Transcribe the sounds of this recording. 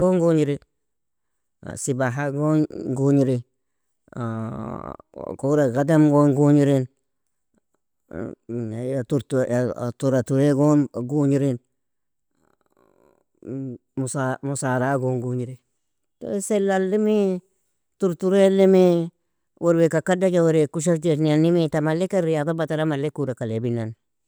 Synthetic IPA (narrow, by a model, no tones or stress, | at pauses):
ɡoŋɡuɲiɾi | sibaɦaɡonɡuɲiɾi | koɾaɡademɡonɡuɲiɾen | jatuɾtua̰tuɾatuɾeɡonɡuɲiɾin | musamusaɾaɡoŋɡuɲiɾe | to̰selːalːɪmi | tuɾtuɾelemi | woɾwekakadakawoɾekuʃ̬aft͡ʃenianimitamalekaɾijatabataɾamalekuɾakalebinːan